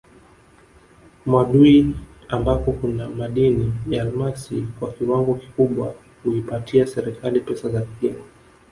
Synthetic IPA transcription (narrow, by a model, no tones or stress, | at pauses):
mwaɗui | ambapɔkunamaɗinijaːlmasikwakiwaŋɡɔki̥kuɓwa | huipatʰiasɛɾɛkʰalipɛsazapima